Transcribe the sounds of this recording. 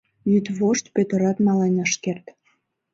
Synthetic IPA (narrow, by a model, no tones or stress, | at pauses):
jyt̪βoʃt̪pøt̪ə̆ɾɑt̪nɑlenʲəʃkert̪